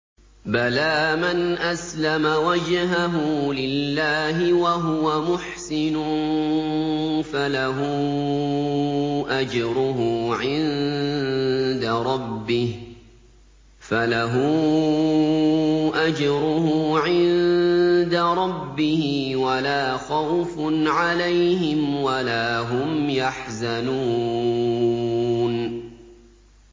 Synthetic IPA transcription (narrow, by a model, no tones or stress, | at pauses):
balaːmanʔaslamawad͡ʒɦaɦʊlɪlːaːɦɪwaɦʊwamʊħsɪnʊ | falaɦu | ʔad͡ʒɾʊɦʊʕɪn | d̪aɾˤɑbːɪh | falaɦʊ | ʔad͡ʒɾʊɦʊʕɪnd̪aɾˤɑbːɪhɪwalaːxawfnʕalajhɪmwalaːɦʊmjaħzanuː | n